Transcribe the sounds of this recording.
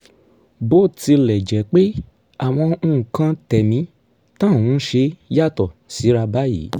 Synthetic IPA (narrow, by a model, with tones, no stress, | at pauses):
bo˦˨ti˧lɛ˨d͡ʒɛ˨˦k͡pe˦ | a˨w̃ɔ̃˧ũ˦˧˨kã˦tɛ˨mĩ˨˧˦ | tã˦˨wũ˨˦ʃe˧ja˦˨tɔ˨si˨˦ɾa˧ba˦jḭː˨˦